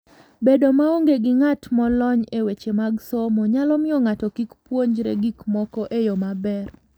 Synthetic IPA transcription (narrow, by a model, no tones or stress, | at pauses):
bedomaoŋɡeɡɪŋatmɔlɔɲewet͡ʃemaɡsomoɲalɔmɪɔŋatɔkikpwoɲd͡ʒɾḛɡikmɔkɔʔejɔmabɛr